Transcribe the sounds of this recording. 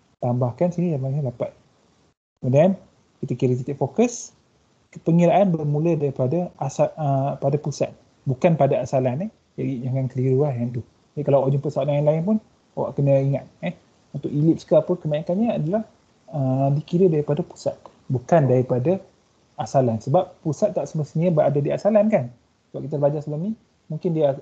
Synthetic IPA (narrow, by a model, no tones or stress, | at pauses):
t̪ambahkansinijaŋlaiɲadapat̪̚ | əmədaan | kit̪əkiɾət̪̬it̪iʔ̚fokəs | pəŋiɾaʔanbərmũlədaɾipadaasaəpadapusa̰t̪̚ | bukanpadaasalanɛh | d͡ʒadid͡ʒaŋɡankəliɾuahjaŋt̪u | d͡ʒaikalawad͡ʒəŋpəsawat̪ajaŋlaɪnpʊn | awa̰ʔkənəiŋat̪̚ɛh | unt̪ʊkilɪp̚sə̥kaːpəkəmaikanɲaadalah | ədikiɾədaɾipadapu̥sa̰t̪̚ | bukandaɾipada | asalansəbap̚pusat̪ːaʔsəməst̪ənɲabaʔadadiasalankan | səbaʔpkit̪albad͡ʒasəlamnĩ | mũŋkɪndiə